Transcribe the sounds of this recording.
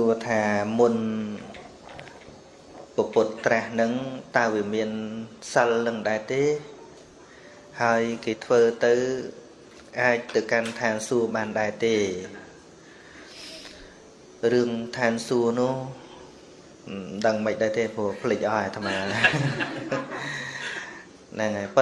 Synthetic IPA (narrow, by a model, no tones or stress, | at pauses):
suət̪ʰaːmun | pəpʊt̪̚ːrahnɨŋt̪aəʋiəmiənsəlnɨŋɗaɛt̪eː | haəjkeːt̪ʰʋəːt̪ɨw | ʔaːc̚t̪ɨwkant̪ʰaːnsuəɓaːnɗaɛt̪eː | rɨəŋt̪ʰaːnsuənʊ̆əh | ɗəŋməc̚ɗaɛt̪eːpuəhpʰəlɨc̚ʔɑɛt̪ʰamaː | naŋapɨ